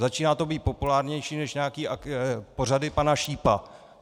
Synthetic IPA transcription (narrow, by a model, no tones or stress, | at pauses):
zat͡ʃiːnaːt̪o̞biːt̪̚po̞pulaːɾɲɛjʃiːnɛʃɲɛakiːʔapo̞radɪpanaʃiːpa